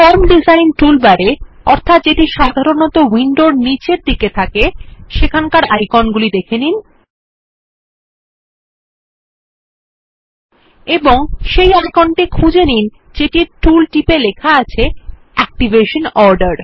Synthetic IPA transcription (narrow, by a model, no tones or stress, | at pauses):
fɔɾmɖizajnʈulbaɾe | ɔɾt̪ʰat̪d͡ʑeʈiʃad̪ʱaɾonɔt̪owiɳɖoɾnit͡ɕeɾd̪iket̪ʰakeʃekʰankaɾajkɔnɡulid̪ekʰenin | eboŋʃejajkɔnʈikʰud͡ʑenin | d͡ʑeʈiɾʈulʈipelekʰaat͡ɕʰe | ɛk̚ʈiveʃonɔɾɖaɾ